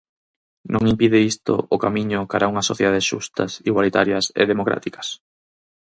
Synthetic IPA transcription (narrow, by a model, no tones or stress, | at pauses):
nʔõŋimpiðɪist̪o̰ʔokamiɲʊkaɾauŋɐsːoθjeðaðesʃṵst̪ɐ̰siɣwalit̪aɾjɐsḛðemokɾa̰t̪ikɐ̥s